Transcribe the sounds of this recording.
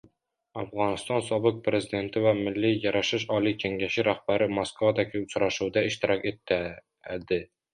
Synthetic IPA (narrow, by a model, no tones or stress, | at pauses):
ɑfʁɒnɨ̆st̪ɑnsɒbɨq̚pɾezid̪e̞nt̪ɪvæmɪlːijɒɾɑʃɪʃɒlˠikʲʰeŋɡʲæʃɪɾæχb̥æɾɪmoskvad̪ækʲʰɪʊɕɾɑʃud̪æɪʃt̪ɪɾɒket̪ːæ | d̪ɪ